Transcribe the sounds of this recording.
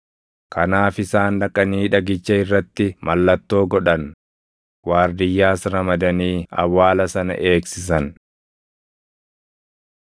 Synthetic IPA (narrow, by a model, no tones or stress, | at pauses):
kʰɐnaːfɪsaːnᶑɐkʼːɐniːᶑɐɡɪt͡ʃːɐɪrːɐt̪ːɪmʔɐlːɐt̪ːo̞ːɡɔᶑɐn | waːɾd̪ɪjːaːsɾɐmɐd̪ɐniːɐ̰wːaːlɐsɐnɐ̰ʔe̞ːksɪs̬ɐn